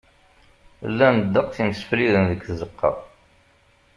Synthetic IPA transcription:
lːænəd̪ːəqθimsfliðənðəkːzəqːɑ̰ʁˤ

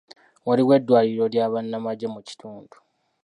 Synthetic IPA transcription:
waliwe̞dːwaːliɾo̞ljaːβanːamaɟemuci̥tʰuːndu̥

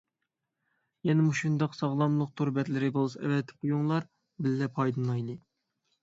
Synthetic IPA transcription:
jɛnɛmuʃund̪ɑqsɑʁlˠɑmlˠʊq̚t̪ʰuɾbɛt̪lɪɾɪbolˠsɛ̰vɛt̪ʰːɪ̥qʰujuŋlˠɑɾ | bɪlːɛpʰɑjd̪ɨnˠɑjd̪ɨ

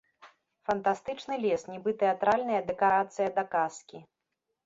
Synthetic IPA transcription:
fɐnt̪ast̪ɨt͡ʂnɨlʲɛsnʲɛbɨt̪ɛat̪ɾalʲnɐjɐd̪ɛkaɾat̪sɨjɐd̪ɐkaskʲi

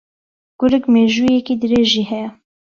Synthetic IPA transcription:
ɡ̥ʊɾɨkmeːʒuːjɛkid̪ɨɾeːʒiːhɛjɛ

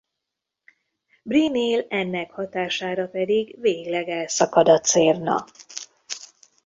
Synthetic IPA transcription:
brineːlɛnːɛkhɒt̪aːʃaːɾɒpɛd̪iɡveːɡlɛɡɛlsɒkɒd̪ɒt̪seːrnɒ̰

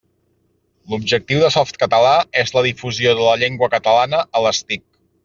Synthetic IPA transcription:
lubʒək̚t̪iwðəsɔft̪̚kət̪əlaezləðifuzioðələʎeŋɡwəkət̪əlanəʔələst̪ik̚

